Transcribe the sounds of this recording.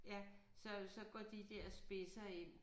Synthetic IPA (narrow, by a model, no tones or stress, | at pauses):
jæsɒ̽sɒ̽ɡ̥ɒd̥id̥eɐ̰sb̥e̝sɐe̝n̰